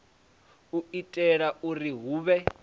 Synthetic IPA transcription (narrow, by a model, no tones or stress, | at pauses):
uitʼɛɺauriɦuːβɛ